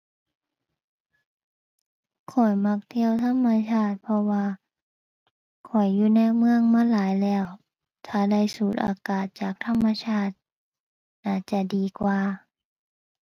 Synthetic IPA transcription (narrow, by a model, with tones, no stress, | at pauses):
kʰɔ˨˩jma˧˥k̚t̪ʰi˧əwt̪ʰa˧˥˨mːa˧t͡ɕʰaː˧˩t̪̚pʰɔ˧waː˧ | kʰɔ˨˩jːuː˧na˧˨jmɯ˧əŋmaː˧˥˨laː˨˦jlɛː˧˥˩w | t̪ʰaː˧˩da˧˩˨jsuː˨˩t̪̚ʔa̰ː˨˧˦kaː˨˩t̪̚t͡ɕaː˨˩k̚t̪ʰa˧˥˨mːa˧t͡ɕʰaː˧˥˩t̪̚ | naː˧˩t͡ɕa˧˩diː˨kwaː˧